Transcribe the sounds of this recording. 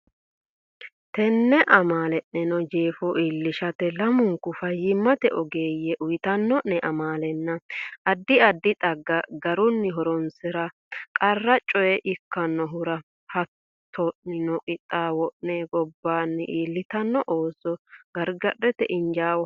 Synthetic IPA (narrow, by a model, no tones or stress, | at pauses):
t̪ɛnːɛʔɐmaːlɛʔnɛnɔd͡ʒeːfɔʔiːlːɪʃɐt̪ɛlɐmʊŋkːʊfɐjːɪmːɐt̪ɛʔɔɡeːjɛʔʊjɪt̪ɐnːɔʔnɛʔɐmaːlɛnːɐʔɐd̪ːɪɐd̪ːɪt̪ʼɐɡːɐɡɐɾʊnːɪɦɔɾɔnsɪɾɐ | kʼɐrːɐt͡ʃʼɔjɛʔɪkːɐnːɔɦʊɾɐ | hɐt̪ʰːɔʔɪnɔkʼɪt̪ʼːaːwɔʔnɛɡɔbːaːnːɪʔiːlːɪt̪ɐnːɔʔoːsɔɡ̥ɐɾɡɐɗɛt̪ɛʔɪnd͡ʒaːwɔ